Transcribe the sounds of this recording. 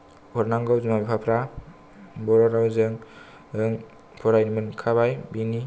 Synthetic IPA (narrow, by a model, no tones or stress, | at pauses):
ɔɾnaŋɡɔwzumabipʰapʰɾa | bɔɾɔɾawzɯŋ | ɯŋ | pʰɔɾajnimɯnkʰaβajbini